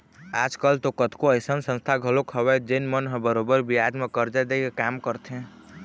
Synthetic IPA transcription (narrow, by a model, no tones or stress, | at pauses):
ad͡ʒkəlt̪okət̪koəjsənsə̃nst̪ʰaɡʱəlokʰɦəbɛd͡ʒəɪnmənɦẽbəɾobəɾbijad͡ʒmekəɾd͡ʒad̪ekekamkəɾt̪ʰɦɛ̃